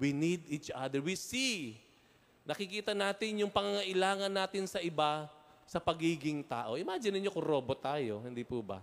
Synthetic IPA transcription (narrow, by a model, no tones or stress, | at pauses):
winid̪it͡ʃʔad̪ɛɹwisi | nɐkɪkiːt̪ɐnaːt̪ɪnjʊŋpɐŋaŋɐʔɪlaːŋɐnːaːt̪ɪnsɐʔɪbasɐpɐɡiːɡɪŋt̪a̰ːʔo̞ʔɪmaːd͡ʒɪnɪɲokoɾo̞ːbot̪ːaːjoɦɪnd̪iːpubɐ̰